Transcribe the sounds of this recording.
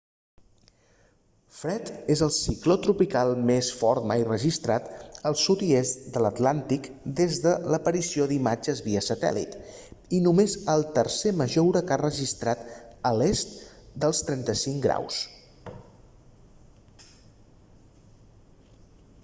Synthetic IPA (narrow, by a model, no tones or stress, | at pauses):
fɾɛt̪ezəlˠsiklot̪ɾupikalˠmesfɔɾt̪majrəʒist̪ɾat̪əlˠsut̪iest̪d̪ələt̪lant̪ik | d̪ezðələpəɾisioðimad͡ʒəzβiəsət̪ɛ̰lḭt̪inumezəlˠt̪ərseməʒowɾəkarəʒist̪ɾat̪əlest̪d̪əlˠst̪ɾɛnt̪əsiŋɡɾa̰ws